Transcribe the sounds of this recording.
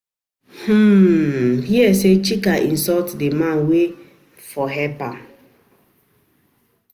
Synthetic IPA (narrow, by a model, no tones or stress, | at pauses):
h̩ | hiɛset͡ʃikaʔin̩sɔtdemãnwe | fɔɦɛpa